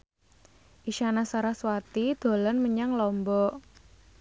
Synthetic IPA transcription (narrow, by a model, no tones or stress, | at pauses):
ʔiʃanasaɾaswat̪id̪̥o̤lɔnməɲaŋlɔmbɔ